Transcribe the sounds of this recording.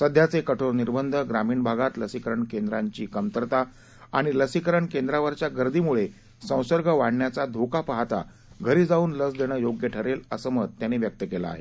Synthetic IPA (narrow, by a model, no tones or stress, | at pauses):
səd̪ʱjat͡sekəʈʰoɾniɾbənd̪ʱəɡɾamiːɳbʱaɡat̪ləsikəɾəɳkend̪ɾaɲt͡ɕiːkəmt̪əɾt̪a | aɽ̃iləsikəɾəɳkend̪ɾaʋəɾt͡ɕjaɡəɾd̪imuɭe | sə̃w̃səɾɡʱəʋaɽɳjat͡sad̪ʱokapaɦat̪a̰ | ɡʱəɾiːd͡zauːnləsd̪eɽ̃əːjoɡjəʈʰəɾeləsəmət̪̚t̪ːjaneʋjək̚t̪əkela̰a̰ɦḛ